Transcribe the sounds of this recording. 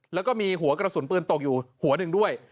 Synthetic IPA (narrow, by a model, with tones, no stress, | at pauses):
lɛː˦˥wkɔː˥˩miː˧ɦu˨˩˦ɐkɾa˧su˨˩˦npɯː˧nt̪o˨˩k̚juː˨˩hu˩˦ɐnɯ˧ŋdu˥˩əj